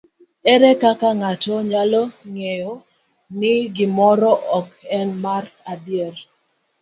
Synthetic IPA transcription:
ɛɾɛkakaŋatɔɲalɔŋejɔ | nɪɡɪmɔɾɔʔɔkɛnmaradjɛr

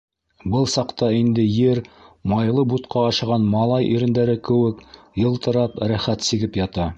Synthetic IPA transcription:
bɤlˠsɑqt̪ɑind̪ɘjɘɾmɑjlˠɤbut̪qɑːʃɤ̆ʁɑnmɑlˠɑjʔiɾɘ̆nd̪æɾɘkɘ̆wɘk | jɤ̆lˠt̪ɤ̆ɾɑpɾæχæt̪siɡɘpjɑt̪ɑ

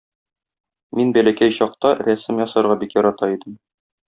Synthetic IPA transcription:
minbælækæjɕɒq̚t̪ɑɾæsɘmjɒsɑ̆ɾʁɑbikjɒɾɑt̪ɑid̪ɘm

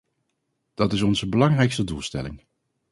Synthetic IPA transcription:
d̥ɑtɪsɔnzəbəlɑŋrɛjkstədulˠstɛ̰lɪ̰ŋ

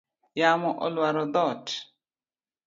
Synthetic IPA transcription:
jamɔʔɔ̰lwaɾɔd̪ɔt͡ʃ

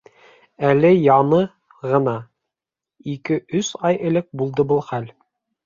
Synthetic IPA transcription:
ælɘjɑnɤ | ʁɤ̆nɑ | ikɘʔɵsɑjɘ̆lɘk̚bulˠd̪ɤbɤlˠχæl

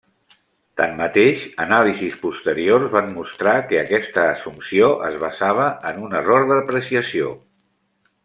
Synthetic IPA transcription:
t̪a̰mːət̪eʃənalizispust̪əɾiorzβanmust̪ɾakəːkɛst̪əːsumsioʔə̰zβəzaβ̞əənunəroɾðəəpɾəsiəsio

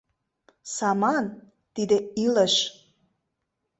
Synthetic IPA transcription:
sɑmɑn | t̪id̪eiləʃ

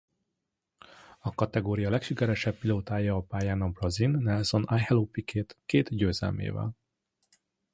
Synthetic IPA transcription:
ɒkɒt̪ɛɡoːɾijɒlɛkʃikɛɾɛʃɛbpiloːt̪aːjɒːpaːjaːnɒbrɒzinːɛlso̞najhɛlopikʰeːt̪keːt̪ɟøːzɛ̰lmḛːvɛ̰l

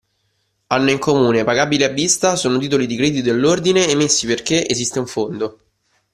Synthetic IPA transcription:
anːoiŋkʰomuːnepaɡabileabːist̪asoːnot̪̬iːt̪̬olid̪ikɾed̪it̪od̪elːord̪ineːmːesːiperk̟eʔezist̪euɱfond̪o

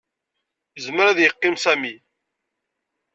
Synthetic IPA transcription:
zməɾæðjəqːɪmsæmi

